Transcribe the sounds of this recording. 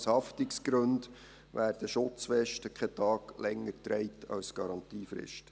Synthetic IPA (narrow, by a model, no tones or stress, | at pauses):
shɑftɪksɡ̥ɾɵnd | ʋæːɾd̥əʃʊt͡sfɛʃtəkʰɛt̪ɑːɡ̥lɛŋːəɾtɾɛɪtʰɑ̰lsɡ̥ɑɾɑnt̪iːfɾɪ̰ʃtə̥